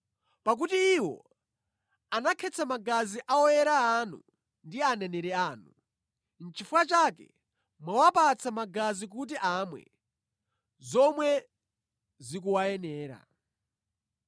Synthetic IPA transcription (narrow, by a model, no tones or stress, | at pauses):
pak̬utiːwɔ̰ | anakʰɛt͡sʰamaɡaziʔaɔjɛɾaanṵ | ndianɛnɛɾɛaːnu | n̩t͡ʃifuwat͡ʃakɛ̰ | mwawapat͡sʰamaɡazik̬ut̬iʔamwɛ̰ | zɔmwɛ | zik̬uwajɛnɛːɾa̰